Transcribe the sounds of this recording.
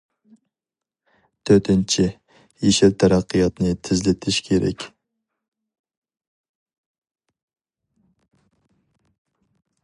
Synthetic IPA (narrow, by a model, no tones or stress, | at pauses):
t̪ʰøɾt̪ʰɪnt͡ʃʰi | jeʃɪɾt̪ʰɑɾɑqʰːɨjɑt̪nɨt̪ʰɪzlɪt̪ʰɪʃkʲʰeɾɛ̰kʲ